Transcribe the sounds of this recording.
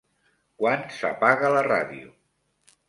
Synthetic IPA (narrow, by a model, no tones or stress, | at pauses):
kwansapaɣələraðiṵ